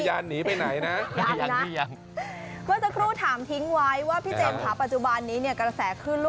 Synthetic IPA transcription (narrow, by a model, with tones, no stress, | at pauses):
jaː˧nːiː˩˦pa˧jna˩˦jna˦˥ʔjaː˧jna˦˥a˧ŋ | mɯː˧˥˩sa˧kʰɾuː˥˩t̪ʰaː˩˦mt̪ʰi˦˥ŋwa˦˥jwaː˥˩pʰiː˦˥˩t͡ɕe˧m˧kʰaː˨˩˥pa˨˩t̪̚t͡ɕu˧˩ba˧nːiː˦˥ni˥˩kɾa˧sɛː˩˦kʰɯː˥˩nlu˥